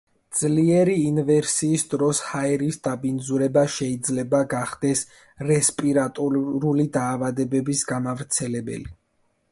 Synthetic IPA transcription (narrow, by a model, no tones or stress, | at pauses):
d̪z̥liɛɾiːnvɛɾsiːsd̪ɾɔshaɛɾisd̪abind̪zuɾɛbaʃɛid̪zlɛbaɡaχd̪ɛs | ɾɛspʼiɾat̪ʼɔɾulid̪aːvad̪ɛbɛbisɡamavɾt̪sʰɛlɛbɛ̰li